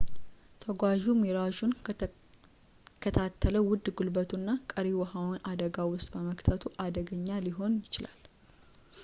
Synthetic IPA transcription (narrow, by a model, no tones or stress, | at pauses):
t̪ʰəɡʷaʒumeɾaʒun | kʰət̪ʰat̪ʰːələwʊd̪ːɡulbət̪ʰunːakʼəɾiwəhawnad̪əɡawʊst̪ʼbəməkʼt̪ʰət̪ʰuʔad̪əɡəɲːaliɦo̞njɪt͡ʃɪla̰l